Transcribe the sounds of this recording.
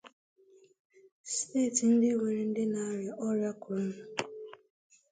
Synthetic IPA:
steː˦˨tn̩˦dɪ˦we˨ɾe˨n̩˦dɪ˦na˦ɾɪ˨ʔɔ˦ɾja˦kʊ˨ɾ̩˦˨

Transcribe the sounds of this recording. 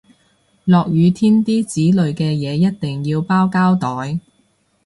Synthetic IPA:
lɔː˨k̚jyː˨˧t̪ʰiː˥nt̪iː˥t͡siː˨˥lɵ˨ɥkɛː˧jɛː˨˧jɐ˥t̚t̪ɪ˨˩ŋjiː˧wpaː˥wkaː˥wt̪ɔː˨˥j

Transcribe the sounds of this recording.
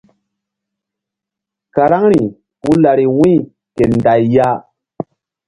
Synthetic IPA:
ka˨ɾa˦ŋɾi˨ | ku˦la˨ɾi˨wĩ˦˨ | ke˨nda˨jja˦

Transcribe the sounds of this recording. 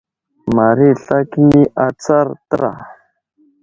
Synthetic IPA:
ma˨ɾi˦ɬa˦ki˦ni˦ʔa˦t͡sa˦ɾt̪ə˦ɾa̰˨

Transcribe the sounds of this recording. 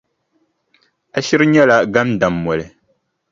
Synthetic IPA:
a˨ʃi˦ɾɨ˦ɲɛ˦la˦ɡa˦mda˨mːɔ˨lɨ˨

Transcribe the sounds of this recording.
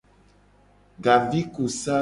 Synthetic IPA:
ɡa˨vi˦ku˨sa˦

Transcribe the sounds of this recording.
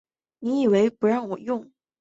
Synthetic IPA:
ni˧˥i˨˩we˧˥ɪpu˧˥ɻɑ˥˩ŋwɔ˨˩jʊ˥˩ŋ

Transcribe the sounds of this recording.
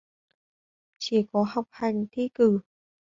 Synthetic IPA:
t͡ɕi˧˩kɔ˨˦ha˨˩wk͡p̚ha˨˩jŋ̟t̪ʰi˧˥kɨ˧˩

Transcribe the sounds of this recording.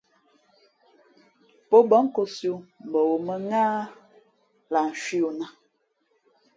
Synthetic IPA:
po˦bɔ˦ŋ˦ko˦sju˦m̩˨bɔ˨wo˨mə˦ŋaː˦ | la˨n̩˨ʃwi˦o˨na˦

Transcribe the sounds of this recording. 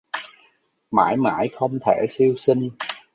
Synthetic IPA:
ma̰ː˧˩jma̰ː˧˩jxə˧wŋ͡mt̪ʰe˧˩si˧əwsï˧ŋ̟

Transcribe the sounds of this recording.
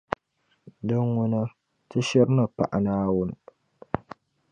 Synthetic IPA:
dɨ˦ŋːʊ˦na˦ | tɨ˦ʃɪ˦ɾnɨ˨pa̰˨ʔa̰˨naː˦wʊ˦n˨

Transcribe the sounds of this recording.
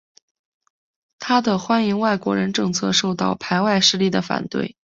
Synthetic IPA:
t̪ʰa˥d̪ə˨xwa˥ni˧˥ŋwa˥˩ɪkwɔ̰˧˥ɻə˧˥nʈ͡ʂɤ˥˧ŋt͡sʰɤ̰˥˧ʂo˥˧ʊt̪ɑ˥˩ʊpʰa˧˥ɪwa˥˧ɪʂɻ̩˥˧li˥˩d̪ə˩fa̰˨˩nt̪wḛ˥˩ɪ

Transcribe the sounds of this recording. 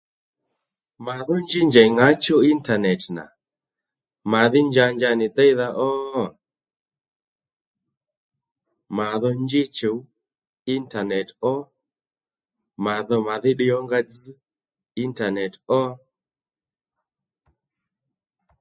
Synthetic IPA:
ma˨ðɔ˦nd͡ʒɪ˦ɲd͡ʒa˨ŋa˦t͡ʃo˦i˦nta˨nɛ˨tna̰˨ | ma˨ðɪ˦ɲd͡ʒa˧ɲd͡ʒa˧nɪ˨t̪ɛ˦jða˦ʔɔ˦ | ma˨ðɔ˦ɲd͡ʒɪ˦t͡ʃo˨ | i˦nta˨nɛ˨tɔ˦ | ma˨ðɔ˦ma˨ðɪ˦ɗɪ˦ɔ˦ŋɡa˦d͡z | i˦nta˨nɛ˨tɔ˦

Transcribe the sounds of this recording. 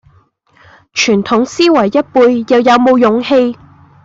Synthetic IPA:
t͡ʃʰyː˨˩nt̪ʰʊ˨˥ŋsiː˥wɐ˨˩jːɐ˥t̚puː˧jːɐ˨˧wjɐ˨˧wmo˨˧wjʊ˨˧ŋhe˧j

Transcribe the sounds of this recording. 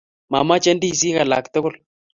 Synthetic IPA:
ma̰˨ma˦t͡ʃɛ˦ndi˦˨s̬i˦ɣa˨la̰˨ktʊ˦ɡʊ˦l

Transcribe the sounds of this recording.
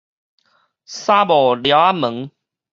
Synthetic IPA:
saː˦˥bɔː˨˩lja˨˦a˦˥mə˨˦ŋ

